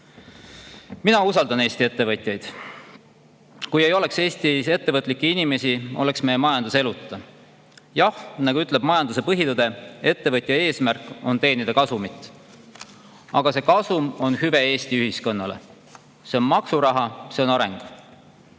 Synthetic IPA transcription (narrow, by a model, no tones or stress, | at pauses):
minɑusɑld̪ɑne̞ːst̪ie̞t̪ːe̞vɤt̪ʲˑjɑjd̪̥ | kuje̞jo̞le̞kse̞ːst̪ise̞t̪ːe̞vɤt̪ːˑlikːˑiinime̞sʲio̞le̞ksme̞jemɑjɑnd̪̥use̞lut̪ːˑɑ | jɑhnɑɡuyt̪ːˑle̞b̥mɑjɑnd̪use̞pɤɦit̪ud̪̥e̞e̞t̪ːe̞vɤt̪ʲˑjɑe̞ːsmærkːˑo̞nt̪e̞ːnid̪̥ɑkɑsumit̪ˑ | ɑɡ̥ɑse̞kɑsumo̞nhyve̞e̞ːst̪iyɦisko̞nːɑle̞̰ | se̞o̞nmɑksuɾɑɦɑse̞o̞nɑɾe̞ŋɡ̥